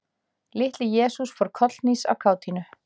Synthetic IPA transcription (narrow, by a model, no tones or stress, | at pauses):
lɪht̪lɪjɛːsusfɔɾ̥kʰɔt̪lnisa̰wkʰaːwt̪ʰinʏ